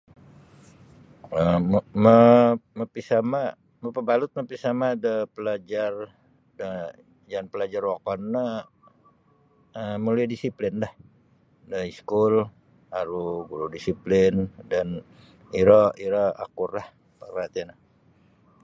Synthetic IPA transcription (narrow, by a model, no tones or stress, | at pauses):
əməməpisama | məpəbalʊt̪̚məpisamadəpəlad͡ʒar | də | d͡ʒanpəlad͡ʒarwakɔnːə | əmuliadisiplɪnlah | dəiskʊl | aɾuɡuɾudisiplɪndan | iɾɔʔiɾɔa̰kʊrlah | pərat̪iana